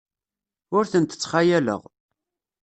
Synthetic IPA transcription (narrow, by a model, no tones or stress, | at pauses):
ʊɾθənt̪ə̥t͡sːχajælə̰ʁ